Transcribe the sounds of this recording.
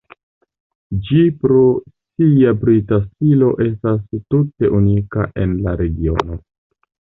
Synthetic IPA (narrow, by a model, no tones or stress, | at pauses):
d͡ʒipɾo̞siabɾitastilo̞ʔe̞stastute̞ʔunika̰ʔe̞nlaɾe̞ɡio̞̰no̞